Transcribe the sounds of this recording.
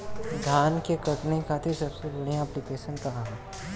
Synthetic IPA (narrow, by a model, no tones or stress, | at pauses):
d̪ʱjaːnkekɐʈnekat̪ʰesɐbsebɐɽ̤ijãɛplɪkeːʃənkɐɦaɦɛ̃